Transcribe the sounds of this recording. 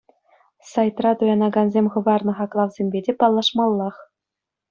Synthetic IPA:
sɑjt̪rɑt̪ujɑnɑɡɑnzʲemʲχɤ̆ʋɑrnɤ̆χɑklˠɑʋzʲemʲbʲedʲepɑlˠːɑʂmɑlˠːɑχ

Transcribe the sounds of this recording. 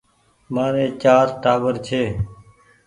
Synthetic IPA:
maːɾeːt͡ʃaːɾʈaːʋəɾt͡ʃʰeː

